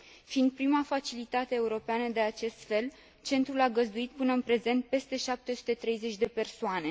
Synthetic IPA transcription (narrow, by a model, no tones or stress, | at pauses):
fiːnd̪̚pɾimafat͡ʃilit̪at̪e̞ːuɾo̞peanəd̪e̞at͡ʃe̞st̪fe̞l | t͡ʃe̞nt̪ɾulaɡəzd̪uit̪̚pɨnəɨnpɾe̞ze̞nt̪̚pe̞st̪e̞ʃap̚t̪e̞su̥t̪e̞t̪ɾe̞jze̞t͡ʃʲd̪e̞pe̞rsoane̞